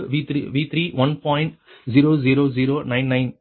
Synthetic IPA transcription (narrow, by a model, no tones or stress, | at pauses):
ʋit̪ʰiʋiːt̪ʰɾiːʋɐ̃npɔ̃ːɪ̃ɳʈziːɾoːziːɾoːziːɾoːnãɪ̃nːãɪ̃n